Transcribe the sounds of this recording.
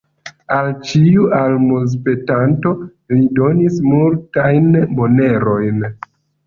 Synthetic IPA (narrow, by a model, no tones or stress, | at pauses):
alt͡ʃiualmos̬pe̞tanto̞ | lido̞nismultajnmo̞ne̞ɾo̞jn